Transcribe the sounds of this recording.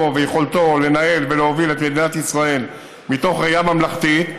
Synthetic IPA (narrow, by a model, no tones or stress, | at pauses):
ovejeχo̞lt̪o̞le̞nae̞lveleovilet̪med̪inat̪isʁae̞l | mit̪o̞χʁejamamlaχt̪it̪